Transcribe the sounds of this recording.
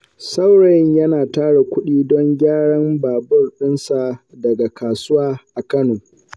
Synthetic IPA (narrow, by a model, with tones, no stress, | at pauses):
sa˦wɽa˨jɲjɐ˦naː˨taː˦ɽe˨kʷʊ˦ɗiː˦dɔ˦ŋɡʲaː˦ɽɐ˦mbaː˨bʊ˦rɗɪ˦nsa˨ | dɐ˨ɡa˨kʰaː˨sʊ˦waː˦ʔa˨kɐ˦noː˨